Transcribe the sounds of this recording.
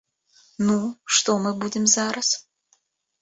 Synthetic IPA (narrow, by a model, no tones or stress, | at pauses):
nuʂt̪ɔmɨbud͡zʲɪmzaɾɐs